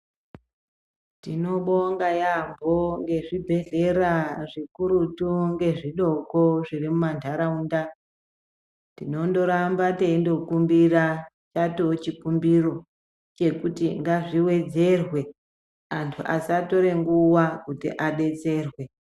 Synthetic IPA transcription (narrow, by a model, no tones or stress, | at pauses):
tino̞ɓo̞ŋɡajambʱo̞ŋɡe̞ʐibʱe̞ɮe̞ɾaʐikuɾutuŋɡe̞ʐiɗo̞ko̞ʐirimumantʰaɾaunda | tino̞ndo̞ɾambateindo̞kumbira | t͡ʃatot͡ʃikumbiro̞ | t͡ʃe̞kutiŋɡaʐiwe̞d͡ze̞rwe̞ | antʰuʔasato̞ɾe̞ŋɡuwakutḭʔaɗe̞t͡se̞ːrwe̞